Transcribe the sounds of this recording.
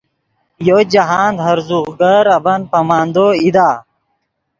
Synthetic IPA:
jod͡ʑɐɦaːnd̪ɐɾzuʁɡɐɾɐbɐnpɐmaːnd̪oid̪aː

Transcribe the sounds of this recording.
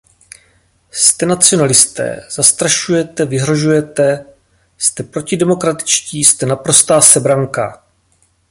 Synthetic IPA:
st̪ɛnat͡sɪo̞nalɪst̪ɛ̰ːz̥ast̪ɾaʃujɛt̪ɛvɪɦɾo̞ʒujɛt̪ɛ | st̪ɛpɾo̞cɪdɛmo̞kɾat̪ɪ̥t͡ʃciːst̪ɛnapɾo̞st̪aːsɛbɾaŋka̰

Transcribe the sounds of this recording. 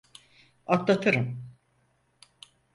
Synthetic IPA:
at̪lˠat̪ʰɯɾɯm

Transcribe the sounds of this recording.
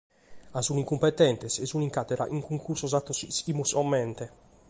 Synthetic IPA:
azuniŋkumpɛt̪ːɛnt̪ɛsɛzuniŋkat̪ɛɾa̰ʔiŋkuŋkuɾsɔzat̪ːɔsisimusɔmːɛnt̪ɛ

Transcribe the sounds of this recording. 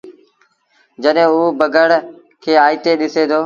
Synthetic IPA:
d͡ʑəɗɦẽːuːbəɡəɽ | kʰeːaːit̪eːɗɪseːt̪ʰoː

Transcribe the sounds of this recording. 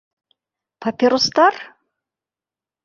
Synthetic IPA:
pʰapʲeɾost̪ar

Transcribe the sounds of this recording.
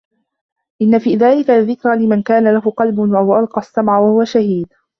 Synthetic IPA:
ʔɪnːafiːðaːlɪkaðːɪkɾalɪmankaːnalahʊqɑlbwaʊwaʔɑlqɑsːamʕawahʊwaʃahiːd̪

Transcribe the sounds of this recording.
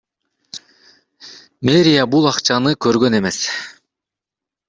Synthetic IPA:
meɾʲijabulˠɑqt͡ʃɑnɯkø̞ɾɡø̞ne̞me̞s

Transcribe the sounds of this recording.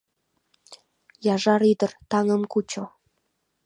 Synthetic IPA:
jɑʒɑɾid̪ə̆rt̪ɑŋəmkut͡ɕo

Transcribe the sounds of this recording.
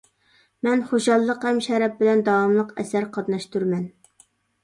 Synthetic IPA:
mɛnχoʃɑlˠːəqhɛmʃɛɾɛp̚bɪlɛnd̪ɑɑmlˠəqɛsæɾqʰɑt̪nɑʃt̪uɾmɛn

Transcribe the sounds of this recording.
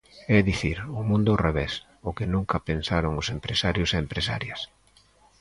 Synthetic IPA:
ɛðiθiɾʊmũnd̪ʊreβɛs | ʊkɪnũŋkɐpensaɾoŋʊsempɾesaɾjʊseempɾesaɾjɐs

